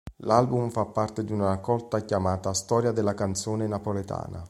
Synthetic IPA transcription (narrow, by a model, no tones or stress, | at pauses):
lalbumfapːart̪ed̪iunaɾakːɔlt̪akjamaːt̪ast̪ɔːɾjad̪ɪlːakant̪soːnenapolet̪a̰ːna̰